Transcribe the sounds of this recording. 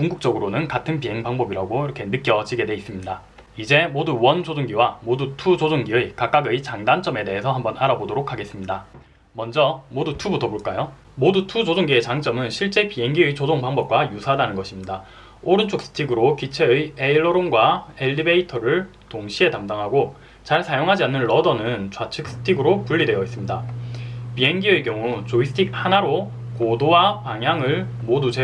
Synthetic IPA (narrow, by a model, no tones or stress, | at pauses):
kuŋɡuk̚t͡ɕ͈ʌɡɯɾonɯnkatʰɯnpiɦe̞ŋbaŋbʌbiɾaɡoiɾʌkʰe̞nɯk͈jʌd͡ʑiɡe̞dweis͈ɯmɲida | id͡ʑe̞moduwʌnd͡ʑod͡ʑoŋɡiwamodutʰud͡ʑod͡ʑoŋɡiɯjkak͈aɡɯjt͡ɕaŋdant͡ɕ͈ʌme̞de̞ɦe̞sʰʌhambʌnaɾabodoɾokʰaɡe̞s͈ɯmɲida | mʌnd͡ʑʌmodutʰubutʰʌboɭk͈ajo | modutʰud͡ʑod͡ʑoŋɡiet͡ɕaŋt͡ɕ͈ʌmɯnɕʰiɭt͡ɕ͈e̞piɦe̞ŋɡiɯjt͡ɕod͡ʑoŋbaŋbʌp̚k͈wajusʰadanɯnɡʌɕʰimɲida | oɾɯnt͡ɕʰok̚s͈ɯ̥tʰiɡɯɾokit͡ɕʰeɯjeiɭːoɾonɡwae̞ʎːibe̞itʰʌɾɯɭ | toŋɕʰie̞tamdaŋɦaɡo | t͡ɕaɭsʰajoŋɦad͡ʑianːɯnɭʌdʌnɯnt͡ɕwat͡ɕʰɯk̚s͈ɯ̥tʰiɡɯɾokuɭːidwe̞jʌis͈ɯmɲida | pieŋɡiɯe̞kjʌŋut͡ɕoisʰɯ̥tʰik̚hanaɾo | kodowapaŋɦjaŋɯɭ | modut͡ɕe